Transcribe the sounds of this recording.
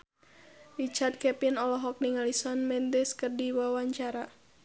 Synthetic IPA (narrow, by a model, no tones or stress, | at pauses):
rit͡ʃard̪̚kɛpinɔlɔɦɔk̚niŋalisɔnmɛnd̪ɪskərdiwawaɲt͡ʃaɾa